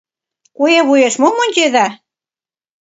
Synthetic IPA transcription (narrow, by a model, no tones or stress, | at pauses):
kujeβujeʃmomonʲt͡ɕeðæ